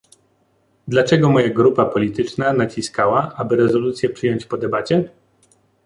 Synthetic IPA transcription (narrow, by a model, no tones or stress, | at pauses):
d̪lat͡ʂɛɡɔmɔjaɡɾupapɔlʲit̪ɘt͡ʂnanat͡ɕiskawaʔabɘɾɛzɔlut̪sʲjɛpʂɘjɔɲt͡ɕpɔd̪ɛbat͡ɕɛ